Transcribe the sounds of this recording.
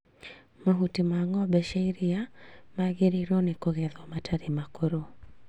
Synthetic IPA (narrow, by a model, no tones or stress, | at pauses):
maɦutimaŋɔbɛʃaiɾiamaɣeɾiɾɔnikɔɣɛðɔmatʰaɾimakuɾo